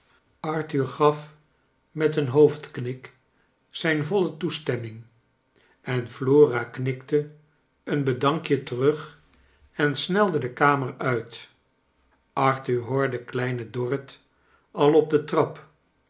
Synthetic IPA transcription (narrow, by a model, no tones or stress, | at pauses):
ɑɹtyɹχɑf | mɛtənɦowftknɪk | sɛjnvɔlətustɛmɪŋ | ɛnfloːraknɪktə | ənbədɑŋkjətərɵχ | ɛnsnɛlˠdədəkaːmərœɥt | ʔɑɹtyɹɦoːɹdəklɛjnədɔrət | ɑlˠɔb̚dətrɑp